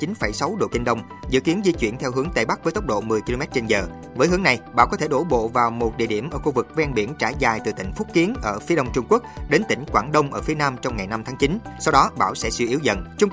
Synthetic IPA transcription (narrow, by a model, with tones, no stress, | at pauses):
t͡ɕi˨˦nfə˧˩jsa˨˦wɗo̰˧˨ki˧ŋ̟ɗə˧wŋ͡m | zɨ̰˧˨ki˨˦ənzi˧t͡ɕwḭ˧˩ənt̪ʰɛ˧wɦɨ˨˦əŋt̪e˨˩ɓa˦˥k̚vəː˨˦jt̪ə˦˥wk͡p̚ɗo̰˧˨mɨ˨˩əjki˧lo˧mɛ˦˥t̚t͡ɕe˧nzəː˨˩ | vəː˨˦jɦɨ˨˦ŋna˨˩jɓa̰ː˧˩wkɔ˨˦t̪ʰe˧˩ɗo˧˩ɓo̰˧˨vaː˨˩wmo˨˩t̚ɗḭ˧˨əɗi˧˩əmʔəː˧˩xu˧vɨ˨˩k̚vɛ˧nɓi˧˩ənt͡ɕaː˧˩jzaː˨˩jt̪ɨ˨˩t̪ï˧˩ŋ̟fʊ˦˥k͡p̚kːi˨˦ənʔəː˧˩fi˨˦əɗə˧wŋ͡mt͡ɕʊ˧ŋ͡mku˦˥ək̚ɗe˨˦nt̪ï˧˩ŋ̟kwaː˧˩nɗə˧wŋ͡mʔəː˧˩fi˨˦ənaː˧mt͡ɕɔ˧wŋ͡mŋa˨˩jna˧mt̪ʰaː˨˦ŋt͡ɕi˨˦nsa˧wɗɔ˨˦ɓaː˧˩wsɛ̰˧˥swi˧ʔi˨˦wzə̰˧˨nt͡ɕʊ˧ŋ͡m